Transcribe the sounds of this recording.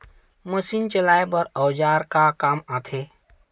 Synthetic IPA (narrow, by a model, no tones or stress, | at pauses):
məsiːnt͡ʃəlaːebəɾɔwd͡ʒaːɾkakaːmaːt̪ʰe